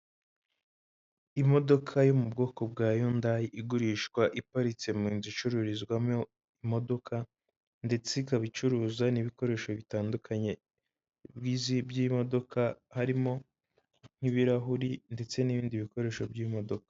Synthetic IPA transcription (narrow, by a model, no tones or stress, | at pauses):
imo̞do̞kʰajo̞mubɡo̞ːko̞bɡaːjondajiʔiɡuɾiːʃkwaʔipaɾit͡se̞miːnzit͡ʃuɾuɾizɡwamo | imo̞do̞kʰa | nde̞t͡sekaβit͡ʃuɾuːzaniβiko̞ɾe̞ːʃo̞βitaːndukʰaɲe̞ | bɡiːzibjiːmo̞do̞kʰahaɾimo̞ | n̥iβiɾaɦuɾinde̞t͡se̞niβiːndiβiko̞ɾe̞ːʃo̞bɟimo̞do̞kḁ